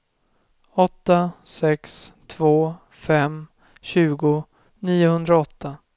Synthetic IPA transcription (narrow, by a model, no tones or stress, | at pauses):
ɔt̪ːasɛkst̪ʰvoː | fɛm | ɕʉ̟ːɡʊ | niːʊhɵnd̪ɾaɔt̪ʰːa